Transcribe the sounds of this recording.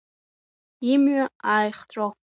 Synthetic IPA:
imɥaaːjχt͡sʷʼa

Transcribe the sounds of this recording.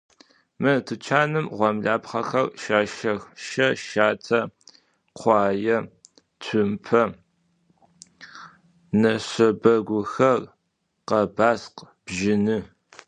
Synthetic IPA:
mɨtʰɨt͡ʃʰaːnɨmʁʷɔmɮaːpχɐ̰xɐrʃaːʃɐxʃɐʃaːtʰɐ | qʷʰɑːjɐ | t͡sʰɨmpʰɐ | nɐɕɐbɐɡʷʊxɐr | qɐbaːsq | b̥ʒɪnɨ

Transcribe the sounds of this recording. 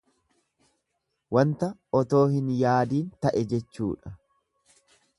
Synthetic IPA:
wɐnt̪ɐɔt̪o̞ːhɪnjaːd̪iːnt̪ɐʔɛd͡ʒɛt͡ʃːṵːᶑɐ

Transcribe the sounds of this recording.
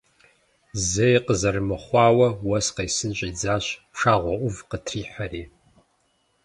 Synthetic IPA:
zɐjqəzɐrɨmɨχʷɑːwɐwɐsqejsɨnɕʼiːd͡zaːɕʂaːʁʷɔʔʷʊvqətʰriːħaɾiː

